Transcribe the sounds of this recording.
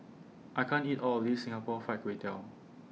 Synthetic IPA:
ʔaɪjkʰãnitɔlɔfdisĩŋapɔfaɪt̚kɹetɛl

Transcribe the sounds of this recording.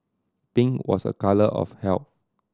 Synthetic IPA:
pĩŋwɔ̰sə̰kaləʔɔ̰fhɛlp̚

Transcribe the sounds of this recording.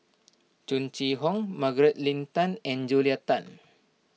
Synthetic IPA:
t͡ʃunt͡ʃiɦɔŋmaɡɾet̪̚lint̪anɛnd͡ʒuliat̪an

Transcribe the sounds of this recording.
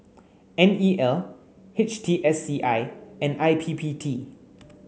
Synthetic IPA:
ɛ̃niʔɛl | het͡ʃtʰiʔɛsiʔaɪɛ̃najpʰipʰitʰi

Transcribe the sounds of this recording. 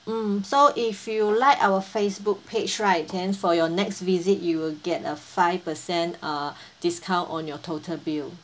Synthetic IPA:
m̩soʔifjulaɪkawəfesbuk̚pʰed͡ʒɹaɪt̚ɛ̃nfɔjɔnɛkstvizitjuwilɡɛtəfaɪv̥pəsɛ̃nə | d̥iskʰãʊ̃ntɔ̃njɔtʰotʰəlbil

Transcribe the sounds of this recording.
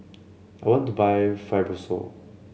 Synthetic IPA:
aɪjwɔ̃ntubaɪfaɪvəso̰

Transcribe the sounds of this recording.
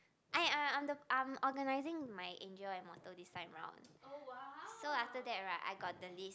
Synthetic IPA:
ʔãããmdəãmɔɡənaɪzĩŋmajʔḛ̃nd͡ʒəɛ̃nmɔtədistãɪ̃mɹã̰ʊ̃n | ssoaftədɛt̚ɹaʔa̰ɪɡɔt̚dəlis

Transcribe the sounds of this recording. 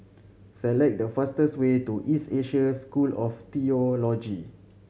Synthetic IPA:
sɛlɛk̚dəfastəswetuʔiseʃəskulɔft̪iolɔd͡ʒi

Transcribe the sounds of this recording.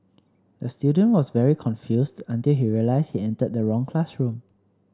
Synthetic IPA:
dəstjudə̃nwɔsvɛɹikʰɔ̃nfjusdə̃ntilɦiɹiəlaɪshiɛ̃ntəd̚dəɹɔ̃ŋkʰlasɹũm

